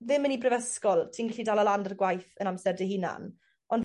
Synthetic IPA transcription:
ðɪmənibrɪvəskɔlˠtʰiːnɡɛɬidalˠəlandarɡwajθənamsɛrdɛhina̰n | ɔn

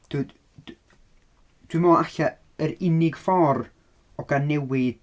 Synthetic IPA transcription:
d̥u | d̥wɨmɔaɬa | əɾɪnɪɡfɔr | ɔɡ̥anːɛwɪð̥

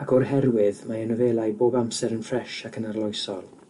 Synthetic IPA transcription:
akʰɔrhɛrwɪðmaənəveːlˠajboːbamsɛɾənfrɛʃakʰənarlˠɔjsɔlˠ

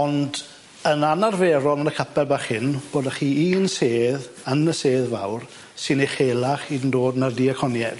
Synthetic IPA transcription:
ɔnd | ənanarveːɾɔlˠənəkʰəpʰɛlbaχhɪnb̥oːdaχiːiːnseːð | ənəseːðva̰wr | sɪniχeːlˠaχidəndoːdnardiːəkʰɔnjɛd̥

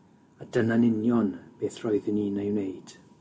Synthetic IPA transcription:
adənanɪnjɔnb̥eːθrɔɨðɪniːnejwnejd̥

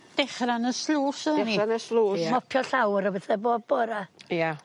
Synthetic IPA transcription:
d̥ɛχranəslˠuːsənianəsluːmɔpʰjɔɬawɾəbɛθɛboːd̚bɔːɾaja

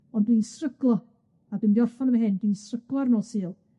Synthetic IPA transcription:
ɔndwinsrəɡlˠɔ | abɨndiɔrfɔnəmaɦɨndwiːnsrəɡlˠɔrnoːsɨːlˠ

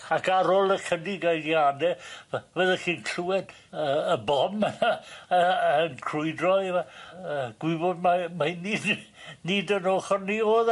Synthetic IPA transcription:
akʰaɾɔlˠəkʰədɪɡajɡjadɛvəðəχiːnkʰuɛd̥ | əəbɔm | əənkʰrʊɨdrɔivaəɡ̥wɪbɔd̚mamanɪd | nɪdənoːχɔnːioːð

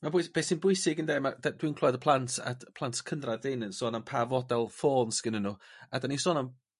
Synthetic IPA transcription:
mabʊjsb̥eːsinbʊɨsɪɡəndeːmadad̥wiːnkʰl̥ˠɔjdəpʰlˠantʰa̰dpʰlˠantʰkʰəndradɪnənsoːnanpʰavɔdɛlˠfoːnsɡ̥ɪnənuadanisoːnan

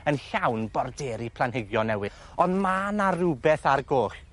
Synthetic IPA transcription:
ənɬawnbɔrdɛːɾipʰlˠanɦɪɡjɔnɛwɨ | ɔnmaːnarubɛθarɡoːχ

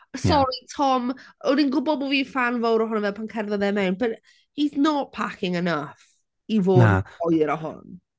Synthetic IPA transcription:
sɔɾitʰɔmɔdinɡʊbɔmoviːfanvowɾɔɦʊnəvɛlˠpʰankʰɛrðɔðɛmɛwnbət | hiznɔt̚pʰakʰɪŋənəf | ivoːdɔjɾɔɦʊ̰n

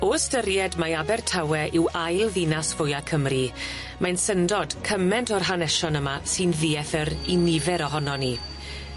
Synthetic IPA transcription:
ostəɾjɛdmajabɛrtʰawɛʔɪwajlˠðɪnasvʊjakʰəmri | majnsəndɔd̥kʰəmɛntɔrɦanɛʃɔnəmasɨnðiːɛθəɾinɪvɛɾɔɦɔnɔni

